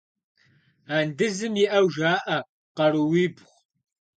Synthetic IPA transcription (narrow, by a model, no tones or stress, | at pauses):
aːndɨzɨmjiʔɐwʒaːʔɐ | qɐɾɨwiːbʁʷ